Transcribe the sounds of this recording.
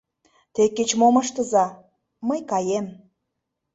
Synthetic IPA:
t̪ekːet͡ɕmoməʃt̪ə̆zɑ | məjkɑjem

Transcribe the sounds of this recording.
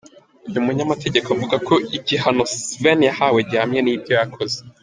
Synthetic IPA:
ujumuɲamatʰe̞ɟe̞koavuɡakʰo̞iciɦano̞svenijahaweɾɟaːmɲenibjo̞jakʰo̞ze

